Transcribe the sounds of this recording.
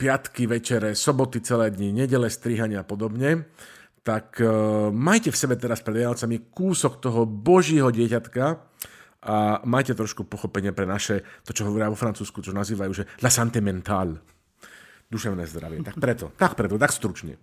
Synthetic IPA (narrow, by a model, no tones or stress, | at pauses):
pɪat̪kiʋɛt͡ʃɛɾɛsɔbɔt̪it͡sɛlɛːd̪ɲiɲɛɟɛlɛst̪ɾiɦaɲɪaapɔd̪ɔbɲɛ | t̪akmajcɛfsɛbɛt̪ɛɾaspɾɛd̪ʋɪanɔt͡samikuːsɔkt̪ɔɦɔbɔʒiːɦɔɟɪɛcat̪ka | ʔamajcɛt̪ɾɔʃkupɔxɔpɛɲɪapɾɛnaʃɛt̪ɔt͡ʃɔɦɔʋɔɾɪaʋɔfɾant͡suːskut͡ʃɔnaziːʋajuːʒɛlasant̪imɛnt̪aːl | d̪uʃɛʊnɛːzd̪ɾa̰ʋɪɛt̪akpɾɛt̪ɔt̪akpɾɛt̪ɔt̪akst̪ɾut͡ʃɲɛ̰